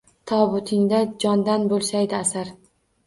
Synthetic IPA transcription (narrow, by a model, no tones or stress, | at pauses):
t̪ʰɒbʊt̪ʰɪŋd̪ad͡ʒɒnd̪anbolˠsajd̪ɪasaɾ